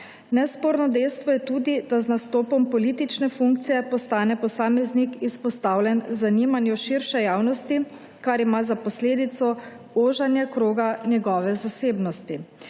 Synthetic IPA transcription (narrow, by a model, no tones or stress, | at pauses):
nɛspoːɾnɔd̪ɛjst̪ʋɔjɛt̪uːd̪id̪aznast̪oːpɔmpɔliːt̪it͡ʃnɛfuŋk̚t̪sijɛpɔst̪aːnɛpɔsaːmɛznikispɔst̪awlʲjɛnzaniːmanjuʃiɾʃɛjaːwnɔst̪i | kaɾimazapɔsleːd̪it̪sɔ | oːʒanjakɾoːɡanjɛɡɔːʋɛzaseːbnɔst̪i